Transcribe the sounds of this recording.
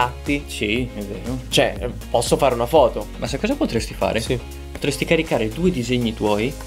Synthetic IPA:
at̪ːisievḛːnot͡ʃoɛ̰pɔsːofaːɾeunafɔːt̪omʔasekːɔːzapot̪ɾest̪ifa̰ːɾesi | pot̪ɾest̪ikaɾikaːɾed̪uːed̪izeɲːit̪wɔːji

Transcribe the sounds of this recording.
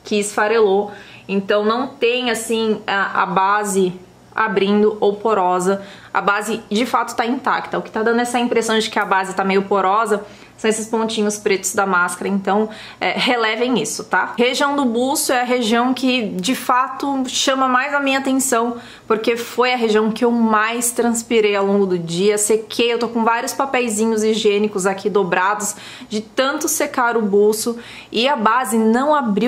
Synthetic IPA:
kɪːsfaɾeloẽnt̪ɐ̃w̃nɐ̃w̃t̪ẽj̃asĩaʔa̰bazɪ | a̰bɾĩnd̪ʊʔowpoɾɔzɐɐ̰bazɪd͡ʒɪfat̪ʊ̥t̪aĩnt̪a̰k̚t̪ɐʊkɪ̥t̪ad̪ɐ̃nd̪ʊɛsɐĩmpɾesɐ̃w̃d͡ʒɪkɪɐbazɪt̪amejʊpoɾɔzɐ | sɐ̃w̃esɪspõnt͡ʃĩɲʊspɾet̪ʊzd̪ɐmaskaɾɐẽnt̪ɐ̃w̃ | ɛ̰helɛvẽj̃isʊt̪aheʒiɐ̃w̃d̪ʊbusʊɛɐɦeʒiɐ̃w̃kɪd͡ʒɪfat̪ʊʃɐ̃mɐmajzamĩɲɐat̪ẽsɐ̃w̃ | poɾkefojɐɦeʒiɐ̃w̃kɪewmajst̪ɾɐ̃spiɾejawlõɡʊd̪ʊd͡ʒiɐsekʰejewt̪okõvaɾiʊspapɛjzĩɲʊziʒẽnɪkʊzakʰid̪obɾad̪ʊs | d͡ʒɪt̪ɐ̃nt̪ʊsekaɾʊbusʊ | ɪabazɪnɐ̃w̃abɾi

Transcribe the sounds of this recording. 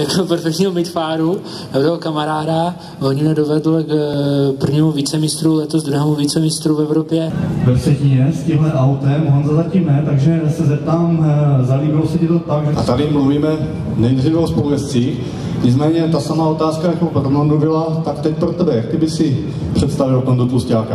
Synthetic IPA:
jakopɛɾfɛkt̪ɲiːomɪt̪faːɾu | aɾɛokamaɾaːda | loɲɪnɛdovɛdl̩kpr̩vɲiːmuviːt͡sɛmɪst̪ɾulɛt̪ozd̪ɾuɦɛːmuviːt͡sɛmɪst̪ɾuvɛvɾopjɛvɛpr̥ɛciɲɛscɪmlɛʔawt̪ɛmʔonzazacimnɛt̪aɡʒɛsɛzɛp̚t̪aːmzaliːbɪlosɛcɛt̪ot̪aɡʒɛʔat̪adɪmluviːmɛ | nɛjd̪riːvɛospovɛst͡siːx | ɲɪt͡smɛːɲɛt̪asamaːo̞t̪aːskajakowpɾomandubɪlat̪akt̪ɛc̚pɾot̪ɛbɛjak̚t̪ɪbɪsɪ | pr̝̥ɛt̪st̪avɪlt̪omd̪ot̪uscaːka

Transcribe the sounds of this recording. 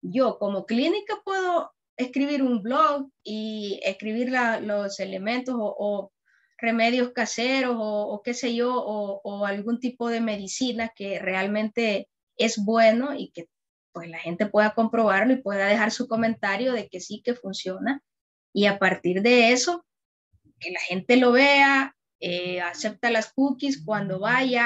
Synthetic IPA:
ɟ͡ʝo̞ko̞mo̞klinikapwe̞ðo̞ | e̞skɾiβiɾumbloɣiḛskɾiβiɾlalose̞le̞mẽ̞nt̪o̞soʔo | re̞me̞ðjo̞skase̞ɾo̞soːke̞se̞ʝooːalɣunt̪ipo̞ðe̞me̞ðisinake̞re̞almẽ̞nt̪e̞ | e̞zbwe̞no̞ike̞ | pwe̞slaxe̞nt̪e̞pwe̞ðako̞mpɾo̞β̞aɾlo̞ipwe̞ðaðe̞xaɾsuko̞mẽ̞nt̪aɾjo̞ðe̞ke̞sike̞funsjo̞na | iapaɾt̪iɾðe̞eso̞ | ke̞laxe̞nt̪e̞lo̞βe̞a | ease̞p̚t̪alaskukiskwand̪o̞βaja

